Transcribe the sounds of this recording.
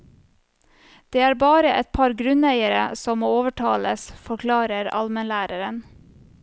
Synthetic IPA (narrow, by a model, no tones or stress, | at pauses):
d̪̥eːæːɾbɑːɾəʔɛt̪̚pʰɑɾɡɾʉnæɪəɾə̰sɔmoːoːʋəʈʰɑːləsfɔɾkʰlɑːɾəɾɑ̰lmənlæːɾəɾən